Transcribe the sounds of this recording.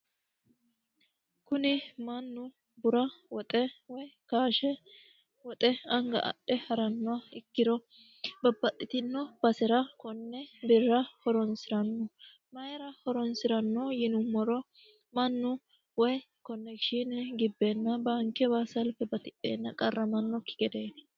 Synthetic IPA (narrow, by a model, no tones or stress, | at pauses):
kʊnɪmɐnːʊ | bʊɾɐwɔt̪ʼɛwɔjkaːʃɛ | wɔt̪ʼɛɐŋɡɐ̰ʔɐ̰ɗɛhɐɾɐnːɔwaɪkːɪɾɔ | bɐbːɐt̪ʼːɪt̪ɪnːɔb̥ɐsɛɾɐkɔnːɛbɪɾːɐhɔɾɔnsɪɾɐnːɔ | mɐjɛɾɐhɔɾɔnsɪɾɐnːɔjɪnʊmɔɾɔ | mɐnːʊ | wɔj | kɔnːɛkʃinɡɪbːeːnːɐbaːŋkɛbaːsɐlpːɛbɐt̪ɪpʼːḛːnːɐkʼɐrːɐmɐnːɔkːɪ̥ɡɛd̪eː